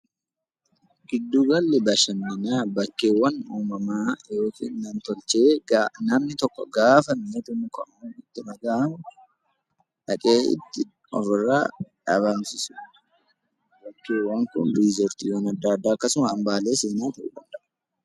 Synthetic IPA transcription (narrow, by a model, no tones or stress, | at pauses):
ɡ̥ɪd̪ːuːɡɐlːɛbɐʃɐnːɪnaːbɐkːeːwːɐnuːmɐmaːjo̞ːkḭːnːɐnt̪ɔlt͡ʃe̞ːɡanɐmnɪt̪ɔkːɔ̰ɡaːfɐmeːt̪ʊmʊkɐʔuɪt̪ːɪnɐɡaːʔɐmʊ | ᶑɐkʼeːɪ̰t̪ːɪ | ɔ̰fɪrːaːᶑɐβansɪsʊ̥ | bɐkːeːwːɐŋkʊ̰nɾizɔɾt̪iːwɐnɐd̪ːaːd̪ːaːɐkːɐsʊmɐːmbaːle̞ːseːnaːt̪ɐʔṵːᶑ̪ɐnd̪ɐʔ